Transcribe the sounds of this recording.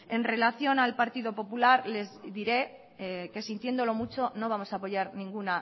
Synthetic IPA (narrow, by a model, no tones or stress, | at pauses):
e̞nre̞laθjo̞nalpaɾt̪iðo̞po̞pulaɾle̞zðiɾe̞ | ke̞sint̪je̞nd̪o̞lo̞mut͡ʃo̞no̞β̞amo̞saːpo̞ʝaɾnĩŋɡuna